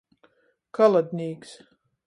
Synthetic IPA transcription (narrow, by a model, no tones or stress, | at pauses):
kalˠad̪ʲnʲiːks